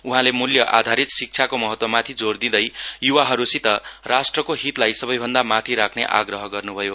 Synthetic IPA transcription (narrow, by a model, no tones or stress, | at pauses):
uɦãlemuljʌʔa̰d̪ʱaɾit̪sik̚t͡sʰakomʌɦʌt̪wʌmat̪ʰid͡zord̪id̪ʌjjuwaɦʌɾusit̪ʌrasʈrʌkoɦit̪lajsʌbʌjbʱʌnd̪amat̪ʰiɾakʰneʔa̰ɡrʌɦʌɡʌrnubʱʌjo